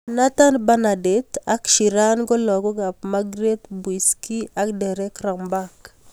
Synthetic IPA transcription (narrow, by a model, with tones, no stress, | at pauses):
na˦ta˦nba˦na˨det̪a˦kʃi˨ɾa˦nɡɔ˦lɔ˨ɡɔ˦ɡa˨p̚ma˦ɡɾe˦t̪bwiski˦ʔa˦kdɛ˨ɾɛ˦kɾa˨ŋmba˦k